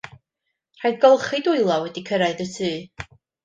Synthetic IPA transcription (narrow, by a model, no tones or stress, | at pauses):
r̥ajdɡɔlˠχɨdʊɨlˠɔwɛdikʰəɾaɨðəsʰɨː